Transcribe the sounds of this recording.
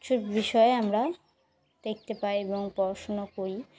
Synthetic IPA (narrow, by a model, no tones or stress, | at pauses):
t͡ɕʰuɾbiʃɔeamɾa | d̪̥ek̚t̪epaɾieboŋpɔɾʃonokoɾi